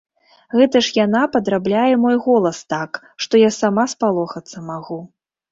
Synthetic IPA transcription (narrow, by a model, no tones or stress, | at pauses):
ɣɛt̪ɐʂjan̪apɐd̪ɾablʲajɛmɔjɣɔlˠɐst̪ak | ʂt̪ɔjasamaspalˠɔxɐt̪sːɐmaɣu